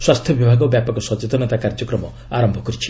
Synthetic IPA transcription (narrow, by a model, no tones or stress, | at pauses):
swast̪ʰjɔbibʱaɡɔbjapɔkɔsɔt͡ʃet̪ɔnet̪akaɾd͡ʒɔkɾɔmɔ | aɾɔmbʱɔkɔɾit͡ʃʰi̥